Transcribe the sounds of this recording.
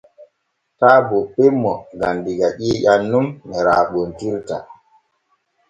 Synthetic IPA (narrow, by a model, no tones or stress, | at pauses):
taːbɔɓemːɔɡandiɡaɗiːjanːumnɛɾa̰ːɓontiɾta̰